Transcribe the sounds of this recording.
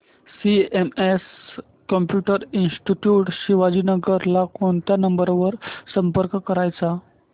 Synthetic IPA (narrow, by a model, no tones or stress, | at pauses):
siemes | kɔmpjuʈəɾinsʈiʈjuʈɕiʋad͡ʑiːnəɡəɾlakoɳt̪janəmbəɾʋəɾsəmpəɾkkəɾajt͡sa